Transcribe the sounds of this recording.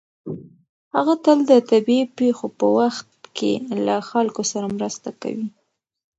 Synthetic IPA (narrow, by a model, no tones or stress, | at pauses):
haɣat̪əld̪ət̪abiepexopəwaxt̪kʰḛlaxalkosaɾamɾəst̪aka̰wi